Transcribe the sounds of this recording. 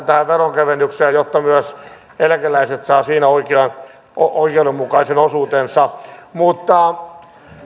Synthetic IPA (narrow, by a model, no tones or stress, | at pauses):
t̪æhæʋeroŋkæʋenːˑykseːjot̪ːɑmyæs | elkelæiset̪sɑːsiːnæoikeɑn | oikeudemmukɑisenosuːt̪ensɑmut̪ːɑ